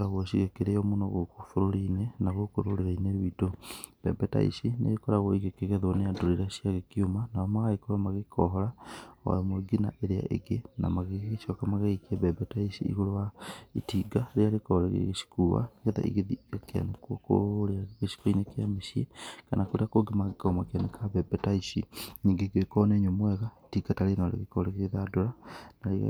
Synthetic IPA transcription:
ɾaɣwɔʃiɣekeɾejɔmonɔɣokofoɾoɾinenaɣokoɾoɾeɾaineɾwitob̥ɛ̰bɛta̰ḭsinḛɣekɔɾaɣɔiɣekeɣɛðɔneadoɾiɾaʃiaɣekiomanaɔmaɣaikoɾamaɣekʰɔɦɔɾaɔ̰a̰jɔmweɡina̰ʔeɾea̰ʔḛɡena̰maɣeɣeʃɔkamaɣeikiebɛbɛtaisḭḭɣolowaḭtiɡaɾealekɔɾeɣḛɣeʃi̥kuwa̰neɣeða̰ḭɣeðiakea̰nakuoko̰oleaɣɣeʃi̥koinekjameʃiḛkanakoɾeakoɡemaɣekɔmakanekʰaβɛbɛtaisḭɲiɡeɡekɔneɲomwɛɣaitiɡatalenalḛɣekɔleɣeɣeðadoɾanaɾeɣ̰

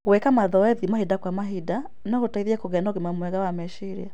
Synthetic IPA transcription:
ɣwɛkamaðɔɛðimahidakwamaɦida | naɣotaiðiɛkoɣɛnaɔɣemamwɛɣawamɛʃiɾia

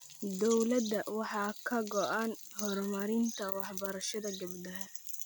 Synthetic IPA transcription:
d̪ɔwlɐd̪ːɐwɑħɑːkʰɐɡɔʔan | hɔɾmɐɾɪnt̪ʰɐwɑħbɐɾɐʃɐðɐɡɐbd̪ɐɦɐ

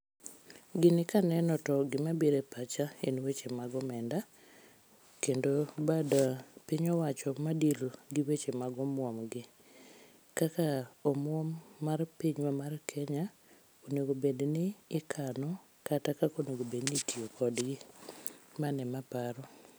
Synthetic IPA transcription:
ɡɪnɪkanɛnɔtɔɡɪmabiɾepat͡ʃaenwet͡ʃemaɡɔmɛnda | kendobadapiɲɔwat͡ʃɔmadilɡɪwet͡ʃemaɡɔmwɔmɡɪ | kakaomwɔmːarpiɲwamarkʰɛɲa | onoɡobednɪːkʰanɔ | katakakonoɡobednitiokʰɔdɡɪ | manɛmapaɾɔ

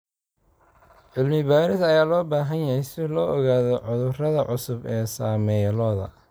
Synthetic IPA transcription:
ʕɪlmɪbaːɾɪsɐjaːlɔːbaːɦɐnjɐhɛjsɪlɔːʔɔɣaːðɔʕʊðʊrɐðɐʕʊsʊbɛːsaːmɛjlɔːðɐ̰

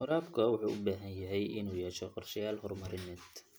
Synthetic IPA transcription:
hʊɾɑːbkʰɐwʊħuːʊbaːɦɐnjɐɦɛjʔɪnuːjɛːʃɛqɑrʃɪjaːlɦɔrmɐɾɪnɛːd̪

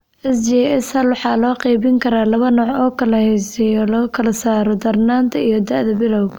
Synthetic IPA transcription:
ʔɛsd͡ʒɛɛsɐlwɑħɑːlɔːqɛjβɪŋkʰɐɾaːlɐβɐnɔːʕɔːkʰɐlɐhɛjsɛjɔlɔɣɐkʰɐlɐsaːɾɔd̪ɐrnaːnt̪ʰɐijɔd̪ɐʔðɐbɪlɔw

